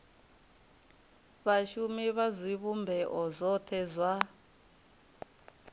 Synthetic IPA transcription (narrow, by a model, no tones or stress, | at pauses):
βaʃumiβazʷiβumbʱɛʔɔzʷɔt̪ʰɛzʷwa